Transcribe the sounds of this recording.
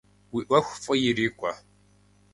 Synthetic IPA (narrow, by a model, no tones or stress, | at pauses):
wiːʔʷɐxʷfʼɨjɪɾiːkʷʼɐ